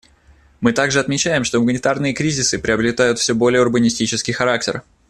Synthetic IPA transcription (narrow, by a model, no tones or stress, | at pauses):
mɨt̪aɡʐɨɐt̪mʲɪt͡ɕæjɪmʂt̪oməɡnʲɪt̪arnɨjəkɾʲizʲɪsɨpɾʲɪəbɾʲɪt̪ajʊt̪fsʲobo̞lʲɪjəʊrbənʲɪsʲtʲit͡ɕɪskʲɪjxɐɾak̚tʲɪr